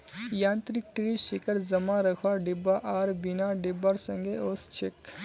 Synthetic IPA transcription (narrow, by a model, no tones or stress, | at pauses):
jãːnt̪ɾik̚ʈɾiʃɪkəɾzɐmãɾəkʰwaɖɪbaʔaːɾbinaɖɪbaɾsɐ̃ŋɡeost͡ʃʰek